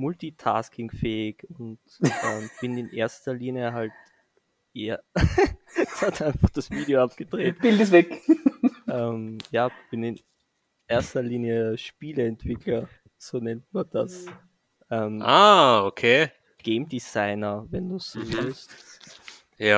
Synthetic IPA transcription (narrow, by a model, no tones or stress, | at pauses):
mʊltitʰa̰skɪŋfɛːɪkʊnt | ɛmb̥ɪnɪnʔeːɐstɐliːnjəɦalt | ʔeːɐ | ɛshatʔaɪ̃nfaχd̥asviːdioapɡ̥ədʁeːtb̥ɪltəs̬vɛk | ʔɛːmjaːb̥ɪnɪn | ʔeːɐstɐliːnjəʃpiːləɛntv̥ɪkʰlɐ | z̥oːnɛntmad̥as | ʔɛmʔaːokʰeː | ɡ̥eɪmdizaɪnɐvɛnduːsːoːvɪlst | ja